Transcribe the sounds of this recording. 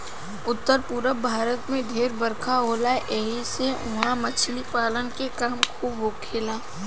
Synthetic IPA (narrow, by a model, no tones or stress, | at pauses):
ʊt̪ːəɾpuːɾəbʱaːɾət̪mẽɖʱeːɾbəɾkʰaɦoːlaʔeɦiseʊɦãmət͡ʃʰlipaːlənkekaːmkʰuːbɦoːkʰeːlaː